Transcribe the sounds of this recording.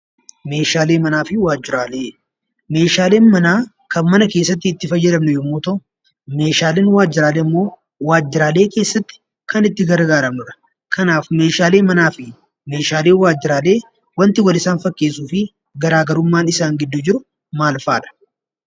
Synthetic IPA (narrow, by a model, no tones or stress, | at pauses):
meːʃaːle̞ːmɐnaːfɪwaːd͡ʒːɪɾaːle̞ː | me̞ːʃaːle̞ːnmɐnaː | kɐnmːɐnɐkeːsːɐt̪̬ːɪːt̪ːɪfɐjːɛd̪ɐmnɛjɔmːoːt̪ɔ | me̞ːʃaːleːnwaːd͡ʒːɪɾaːleɐmːo̞ː | waːd͡ʒːɪɾaːle̞ːke̞ːsːɐt̪ːɪ̥ | kɐnɪt̪ːɪɡɐɾɡaːɾɐmnʊɾɐ̥ | kʰɐnaːfme̞ːʃaːleːmɐnaːfɪ | me̞ːʃaːleːwaːd͡ʒːɪɾaːle̞ː | wɐnt̪ɪwɐlɪsaːnfɐkːe̞ːsuːfɪ | ɡɐɾaːɡɐɾʊmːaːnɪsaːŋɡɪd̪ːʊd͡ʒɪɾʊ | maːlfaːᶑɐ̥